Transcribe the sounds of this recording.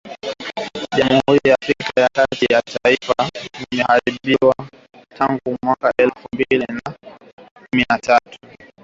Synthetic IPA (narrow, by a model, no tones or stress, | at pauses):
ʄamuhuɾijaːfɾikajakatijataifaimɛhaɾiɓiwa | tʰaŋɡumwakaʔɛlfumbilina | kuminatatu̥